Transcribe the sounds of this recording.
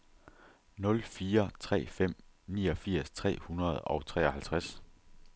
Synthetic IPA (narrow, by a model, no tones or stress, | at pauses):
nɔ̽lfiːɐt͡sʰʁɛ̰ːfem̰niːɒ̽fiɐ̰st͡sʰʁɛ̰ːhunɐð̞̩ˠɒ̽ʊt͡sʰʁɛ̰ːɒ̽hælt͡sʰʁas